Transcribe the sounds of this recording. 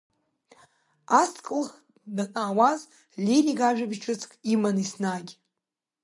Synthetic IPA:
askʼɨlχ | danʼaːwaz | lʲeriɡaʒᶣabiʈ͡ʂʰɨt͡sʰkʼimanisnaɡʲ

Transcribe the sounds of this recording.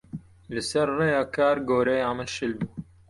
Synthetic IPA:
lɨsɐɾrejɑːkʰaːɾɡoːɾɛjamɨlʃɨlbuː

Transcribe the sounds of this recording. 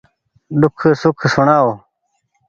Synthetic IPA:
d̪ukʰsukʰsuɳaːw

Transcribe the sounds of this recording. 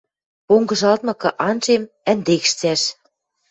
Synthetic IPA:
poŋɡɤ̆ʒɑlt̪̚mɤ̆kɤ̆ʔɑnʒem | ænd̪ekʃt͡sæʃ

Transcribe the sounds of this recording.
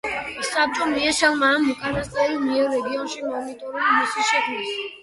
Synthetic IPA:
sap̚t͡ʃʼɔmiɛʃɛlˠmamːukʰʼanast̪ʼaimiɛɾːɛɡiɔnʃimɔnit̪ʼɔɾimisiʃɛkʰmis

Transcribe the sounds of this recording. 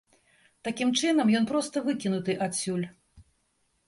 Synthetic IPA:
t̪akʲimt͡ʂɨnɐmjɔnpɾɔst̪ɐvɨkʲinut̪ɨʔasʲːulʲ

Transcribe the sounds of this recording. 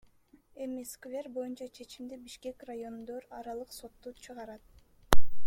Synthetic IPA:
e̞miskvʲe̞ɾbo̞junt͡ʃɑt͡ʃʰe̞t͡ʃimd̪ibiʃke̞krajo̞nd̪oɾɑɾɑlˠɯqso̞t̪ːut͡ʃʰɯʁɑɾɑt̪̚

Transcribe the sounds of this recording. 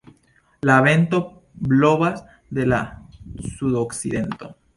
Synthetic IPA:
laβent̪o | bloβas | ðelasuðoksiðent̪o

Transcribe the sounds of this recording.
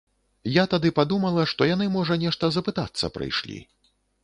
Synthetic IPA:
jat̪ad̪ɨpad̪umɐlˠɐʂt̪ɔjanɨmɔʐɐnʲɛʂt̪ɐzɐpɨt̪at̪sːɐ̰pɾɨ̰jʂlʲḭ

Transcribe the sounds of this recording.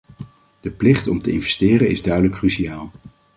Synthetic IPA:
d̥əplɪχtɔmtəɪnvɛstɪːrənɪzdœɥdələkːryʃiaːlˠ

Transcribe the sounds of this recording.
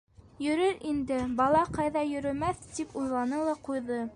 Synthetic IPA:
jɵ̆ɾɵɾind̪ɘbɑlˠɑqɑjðɑjɵ̆ɾɵ̆mæθt̪ipujlˠɑnɤlˠɑqujðɤ

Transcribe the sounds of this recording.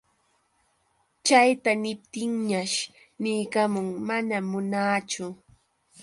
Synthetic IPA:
t͡ʃajt̪anɪp̚t̪ɪŋɲaʃ | nɪjkamʊŋmanamʊnaːt͡ʃʊ

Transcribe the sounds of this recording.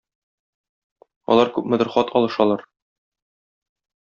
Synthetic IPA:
ɒ̰lˠɑɾkʉpmɘ̆d̪ɘ̆ɾχɒt̪ʰɒlˠɤ̆ʃɒlˠɑɾ

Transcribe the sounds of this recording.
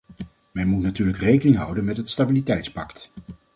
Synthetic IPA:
mɛnmutnatyːɹləkrejkənɪŋɦʌwdənmɛtɦətstabilitɛjtspɑkt

